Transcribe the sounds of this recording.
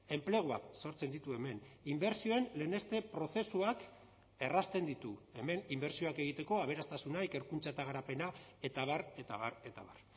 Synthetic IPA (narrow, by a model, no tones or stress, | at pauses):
e̞mple̞ɣ̞oa̰kso̞ɾt͡se̞nd̪it̪ue̞me̞nimbe̞ɾsio̞e̞nleːne̞st̪e̞pɾo̞θe̞suak | e̞rast̪e̞nd̪it̪ue̞me̞nimbe̞ɾsio̞ake̞ɣ̞it̪e̞ko̞aβ̞e̞ɾast̪asunaeke̞ɾkunt͡saet̪aɣ̞aɾape̞nae̞t̪aβ̞aɾe̞t̪aβaɾe̞t̪aβar